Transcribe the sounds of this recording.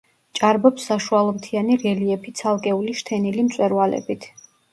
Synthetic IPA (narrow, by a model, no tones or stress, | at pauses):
t͡ʃʼaɾbɔpsːaʃualˠɔmt̪ʰianiɾɛliɛpʰit̪sʰalˠkʼɛuliʃt̪ʰɛnilimt̪sʼwɛɾvalɛ̰bit̪ʰ